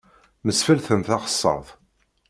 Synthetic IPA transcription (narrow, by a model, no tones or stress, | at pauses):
məsfəlθəmθɑʁə̥sˤːɑ̰ðˤ